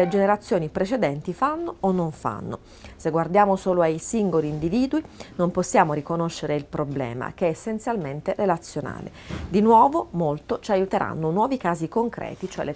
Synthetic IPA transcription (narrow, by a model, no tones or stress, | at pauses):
led͡ʒeneɾat̪sːjoːnipɾet͡ʃed̪ɛnt̪ifanːoonːoɱfa̰nːo̰ | seɡward̪jaːmosoːloajsiŋɡoliːnd̪iviːd̪winomposːjaːmoɾikonoʃːeɾeilpɾoblɛ̰ːma̰keɛːsːent̪sjalment̪erelat̪sːjona̰ːlḛd̪inwɔːvomolt̪ot͡ʃajut̪eɾʔa̰nːonwɔːvikaːzikoŋkɾɛ̰ːt̪it͡ʃoɛ̰le